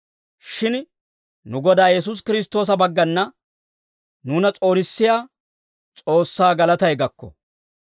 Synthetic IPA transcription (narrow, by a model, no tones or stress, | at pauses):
ʃɪn | nʊɡɔd̪aːjɛs̬ʊs̬kɪɾɪs̬t̪o̞ːs̬ɐbɐɡːɐnːɐ | nuːnɐt͡sʼo̞ːnɪsːɪjaː | t͡sʼo̞ːsːaːɡɐlɐt̪ɐjɡɐkːɔ̰